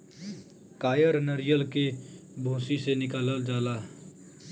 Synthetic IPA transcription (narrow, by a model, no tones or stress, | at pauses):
kaːjəɾnəɾɪjəlkebʱõːsisenɪkaːləld͡ʒaːlaː